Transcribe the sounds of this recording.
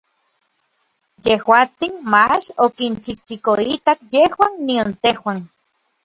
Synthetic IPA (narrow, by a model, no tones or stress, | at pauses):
jehwaːt͡sinmat͡ʃokint͡ʃit͡ʃikoit̪akjehwanniont̪ehwan